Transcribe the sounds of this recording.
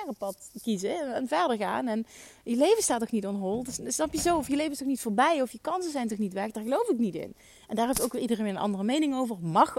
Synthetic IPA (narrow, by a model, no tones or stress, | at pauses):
rəpɑtkizəɛnvɛɹdəɹɣa̰ːnɛnjəlejvənstaːtnɔxnitɔnɦolˠdssnɑpjəzowɔfjəlejvənɪstɔxnitfʊːɹbɛjɔfjəkɑnsəzɛjntɔxnitʋɛxdaːɹɣəlowfɪknitɪ̰n | ɛndaːɹɦeftowkʋɪlidərenʋɪːnənʔɑ̰ndərəmejnɪŋowvəɹmɑx